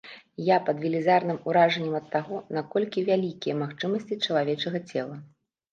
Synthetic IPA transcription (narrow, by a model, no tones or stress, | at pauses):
japɐd̪vʲilʲizarnɨmuɾaʐɐnʲːɛmɐt̪ːaɣɔnakɔlʲkʲivʲalʲikʲijɐmaxt͡ʂɨmɐsʲt͡sʲit͡ʂɐlˠavʲɛt͡ʂɐɣɐt͡sʲɛlˠɐ